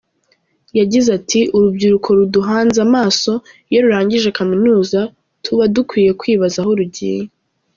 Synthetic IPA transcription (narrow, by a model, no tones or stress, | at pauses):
jaɟizatʰiʔuɾubɟiɾukʰo̞ɾuduɦaːnzamaːso̞ | jeɾuɾaːɲɟiʒe̞kaminuːza | tʰuβadukwiːje̞kwiːβazaɦo̞ɾuɟḭːje